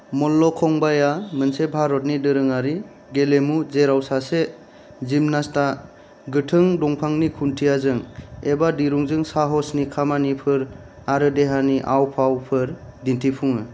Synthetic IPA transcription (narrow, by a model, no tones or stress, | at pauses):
mɔlːɔkʰɔŋbajamɯnsebʱaɾɔt̬̚nidɯɾɯŋaɾi | ɡelemuzeɾawsase | zimnasta | ɡɯtʰɯŋdɔŋpʰaŋnikʰuntʰijazɯŋebadiɾuŋzɯŋsaɦɔsnikʰamanipʰɯɾ | aɾɯdeɦaniʔawpʰawpʰɯɾdintʰipʰuŋɯ